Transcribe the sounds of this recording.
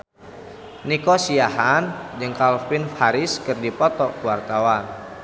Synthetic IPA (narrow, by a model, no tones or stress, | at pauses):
nikɔsiaɦand͡ʒɨŋkalfinfaɾɪskɨrdipɔt̪ɔkuwart̪awan